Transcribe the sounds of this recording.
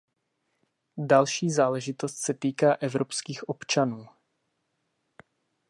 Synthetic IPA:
dalʃiːzaːlɛʒɪt̪o̞st̪sɛt̪iːkaːʔɛvɾopskiːxʔo̞pt͡ʃanuː

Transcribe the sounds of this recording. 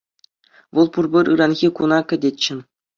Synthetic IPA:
ʋɤ̆lˠpurbʲɘ̆ɾɯɾɑnɣʲikunɑkʲɘ̆dʲet͡ɕːɘ̆n

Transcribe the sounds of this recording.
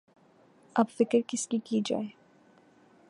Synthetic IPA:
ɐbfɪkəɾkɪskikid͡ʒa̰ːe

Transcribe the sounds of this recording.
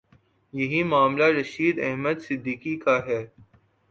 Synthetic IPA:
jɐɦimaːmlaɾɐʃiːd̪ɛɦməd̪sɪd̪ːiːkikaɦɛː

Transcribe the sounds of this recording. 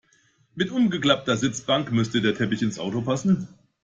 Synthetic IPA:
mɪtʔʊmɡəkl̥ap̚tɐzɪt͡sb̥aŋkmʏstədeːɐtʰɛpɪçɪnsʔa̰ʊtopʰasn̩

